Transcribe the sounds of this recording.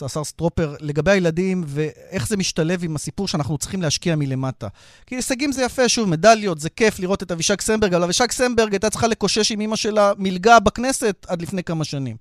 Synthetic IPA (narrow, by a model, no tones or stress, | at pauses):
zːsaʁst̪ʁo̞pe̞ʁle̞ɡabe̞jajeladimve̞eχzemiʃtale̞vimasipuʁʃeanaχnut͡si̥χimleaʃkiamile̞mata | kiesaɡimzejafe̞ʃuvme̞daljo̞t̪zeke̞fliʁo̞t̪e̞taviʃaksembeɡavalaviʃaksembeʁɡajt̪att͡sχale̞ko̞ʃe̞ʃimimaʃe̞lamilɡabakne̞se̞t̪ad̪lifnejkamaʃanim